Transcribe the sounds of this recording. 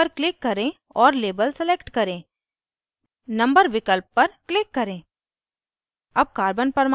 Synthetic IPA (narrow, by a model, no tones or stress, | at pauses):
əɾklɪkːɐɾẽ | ɔːɾleːbəlsɛleːkʈkɐɾẽː | nɐ̃mbəɾʋɪkəlpːɐɾklɪkːɐɾẽː | ɐb̚kaːɾbənpɐɾm